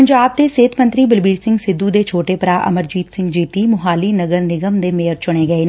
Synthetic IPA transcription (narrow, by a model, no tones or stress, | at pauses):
əɲd͡ʒaːb̚t̪eːseːt̪ʰmə̃nt̪ɾiːbəlbiːɾsɪ̃ŋɡsɪd̪ːud̪eːt͡ʃʰoːʈeːpəɾaːʔə̰məɾd͡ʒiːt̪sɪ̃ŋɡd͡ʒiːt̪iːmʊɦaːliːnəɡəɾnɪɡəmd̪eːmeːəɾt͡ʃʊɽ̃eːɡəeː